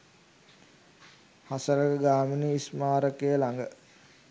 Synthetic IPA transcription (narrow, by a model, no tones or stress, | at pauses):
hasəɾəkəɡaːminiismaːɾəkejəlaŋɡə